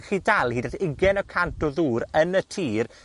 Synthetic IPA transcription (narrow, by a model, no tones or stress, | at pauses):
χiːdalˠhiːdaθɪɡɛnɔkʰantʰɔðuːɾənətʰiːr